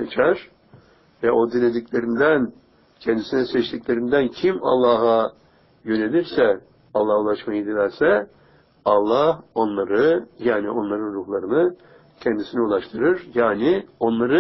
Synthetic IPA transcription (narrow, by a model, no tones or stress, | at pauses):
set͡ʃʰæɾ̥ | vɛʔo̞d̪inlːʲed̪icʲlʲe̞ɾind̪æn | cʰɛnd̪isinɛsɛt͡ʃt̪ʰicʲlʲe̞ɾind̪æncʰima̰lˠːaːɦa | jø̞ne̞lʲiɾsɛ | ɑlˠːahulˠaʃmajɯd̪ilʲæɾsɛ | ɑlˠːaho̞nlˠaɾɯjaːnio̞nlˠaɾɯnɾuhlˠaɾɯnɯ | cʰɛnd̪isiniulˠaʃt̪ʰɯɾɯɾjaːnɪo̞nlˠaɾɯ